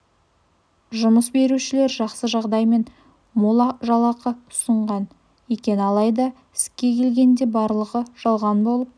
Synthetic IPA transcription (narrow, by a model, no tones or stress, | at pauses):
ʒʊməsbe̞ɾuʃɪle̞ɾʒɑqsəʒɑʁd̪ɑjme̞n | molˠɑʒɑlˠɑqəʊsəɴʁɑn | wekʲe̞nɑlˠɑjd̪ɑ | ɪskʲːe̞kʲʰe̞lɡʲe̞nd̪e̞bɑɾlˠəʁəʒ̥ɑlˠʁɑnbo̞lˠəp̚